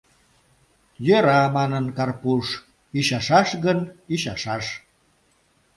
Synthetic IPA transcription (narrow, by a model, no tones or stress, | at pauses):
jøɾɑmɑnənkɑrpuʃ | iʃɑʃɑʃɣəniʃɑʃɑʃ